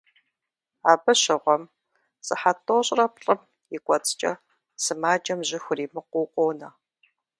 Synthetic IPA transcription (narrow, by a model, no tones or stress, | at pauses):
aːbɐɕɪʁʷɔm | t͡sʼɨħatʰʼoːɕʼrɐpɬʼɨm | jɪkʷʼɔt͡sʼt͡ʃʼɐ | sɨmaːd͡ʒɐmʑɪxʷʊriːmɨqʷʊːqʷʼoːnɐ